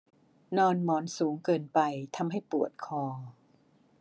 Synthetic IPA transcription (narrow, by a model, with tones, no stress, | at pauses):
nɔː˧nmɔː˩˦nsuː˩˦ŋkɤː˧npa˧jt̪ʰa˧mɦa˥˩jpu˨˩ət̪̚kʰɔː˧